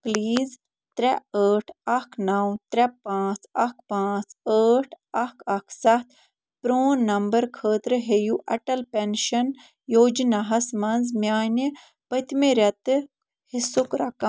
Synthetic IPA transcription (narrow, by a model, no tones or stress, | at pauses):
pliːz | t̪ɾɛəːʈʰɐkʰnɐwt̪ɾɛpãːt͡sɐk̚ʰpãːt͡səːʈʰ | ɐkɐkʰsɐt̪ʰ | pɾoːnːɐmbɐɾkʰəːt̪ɾɨɦejuʔɐʈɐlpɛnʃɐn | joːd͡ʒnaɦɐsmɐnzmʲjaːni | pɐt̪meɾɐt̪ɨ | hisukɾɐkɐ